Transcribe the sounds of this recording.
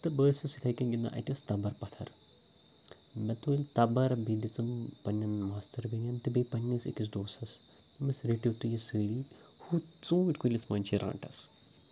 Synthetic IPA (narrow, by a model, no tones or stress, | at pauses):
t̪ɨbəːsɨsit̪ʰɐjkɐnɡʲinːa̰ːʔɐ̰ʈʲɐst̪ɐbɐɾpɐt̪ʰɐ̰ɾ | mɛt̪ulʲt̪ɐbɐɾbed̪it͡sɐmpɐnʲːɐnmaːst̪ɐɾbinʲɐmt̪ɨbepɐnʲːɐsḭʈis̬d̪oːsɐs | mɐsɾeʈit̪ujɐsɨːli | hut͡sũːʋiʈʲkulʲɐsmɐnʲt͡ʃʰiɾʔã̰ːɳʈɐ̰s